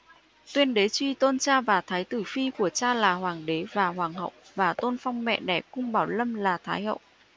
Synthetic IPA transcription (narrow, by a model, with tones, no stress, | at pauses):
t̪wi˧ənɗe˨˦t͡ɕwi˧t̪o˧nt͡ɕaː˧vaː˨˩t̪ʰaː˨˦jt̪ɨ˧˩fi˧ku˧˩ət͡ɕaː˧laː˨˩hwaː˨˩ŋɗe˨˦vaː˨˩ɦwaː˨˩ŋɦə̰˧˨wvaː˨˩t̪o˧nfa˧wŋ͡mmɛ̰˧˨ɗɛ˧˩kʊ̰˧ŋ͡mɓaː˧˩wlə˧mlaː˨˩t̪ʰaː˨˦jhə̰˧˨wʔ